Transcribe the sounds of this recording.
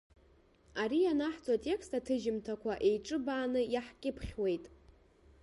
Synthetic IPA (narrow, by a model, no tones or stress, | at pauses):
aɾijanaħt͡sʼatʼe̞kʰstatʰɨʒɪmtʰakʷʰaʔe̞jʈ͡ʂʼɨbaːnɨjaħkʲʼɪpʰχʲwe̞jtʼ